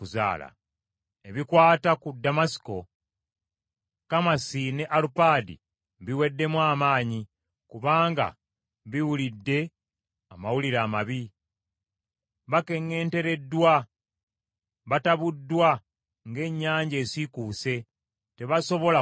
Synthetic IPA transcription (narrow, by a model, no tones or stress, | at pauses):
uza̰ːla̰ | e̞βikwaːtakudamasi̥ko̞ | kamasine̞ʔalupaːdḭ | βiwe̞dːe̞mwaːmaːɲi | kuβaːŋɡa̰ | βiwulidːe̞ | amawuliɾaːmaβi | βake̞ŋːe̞ːnte̞ɾe̞dːwa | βataβudːwa | ŋɡe̞ɲːaːɲɟe̞ːsikuːse̞ | te̞βaso̞βo̞la